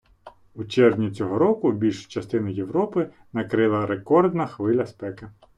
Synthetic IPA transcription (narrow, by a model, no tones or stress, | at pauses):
ut͡ʃɛɾʋnʲit͡sʲɔɦɔɾɔkʊbʲilʲʃʊ̥t͡ʃɐst̪ɪnʊjewɾɔpɪ | nɐkɾɪlˠɐɾekɔrd̪nɐxʋɪlʲɐspɛkɪ